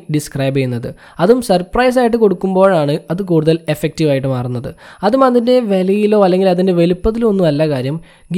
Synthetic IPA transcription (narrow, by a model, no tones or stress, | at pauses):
ɖiskrɐjbɐjunːɐðɨ | ɐðumsɐrprɐjs̬aːjiʈ̬ːɨko̞ɽukːumbo̞ːɻaːɳɨɐðɨkuːɽuðɐle̞fːek̚tiʋaːjiʈːɨmaːrunːɐðɨ̰ɐðumɐðinde̞ʋe̞lɐjilo̞ːɐlːe̞ŋɡilɐðindeʋe̞lupːɐðilmo̞nːumɐlːɐkaːɾjɐm | ɡ